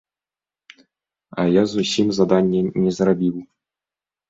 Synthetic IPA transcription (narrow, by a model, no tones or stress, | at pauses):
ɑ̰jɑzuɕimzad̪ɑnʲːenʲezɾabʲilˠ